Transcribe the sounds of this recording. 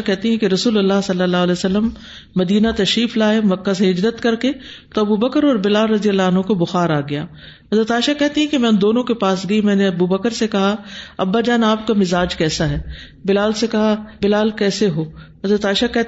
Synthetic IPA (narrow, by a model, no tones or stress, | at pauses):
akɛɦt̪iɦɛ̃keɾɐsuːlɐlːaɦsɐlːəlːaːɦlɛːosɐlːəmː | ɐd̪iːnat̪ɐʃɾiːflaːemɐkːaseɦɪd͡ʒzət̪kɐɾket̪oɐbubɐkəɾɔːɾbɪlaːlɾɐd̪ijəlːaɐnɦõkobʊxaːɾaːɡɐja̰ː | ɦɐzɾət̪aːɪʃakɛɦt̪iɦɛ̃kemɛ̃ːnd̪oːnõkepaːsɡɐimɛ̃ːneɐbubɐkəɾsekɐɦaɐ̰bːaːd͡ʒaːnaːp̚kamɪzaːd͡ʒkɛːsaɦɛː | bɪlaːlsekɐɦabɪlaːlkɛːseɦoːɦɐzɾət̪aːɪʃakɛ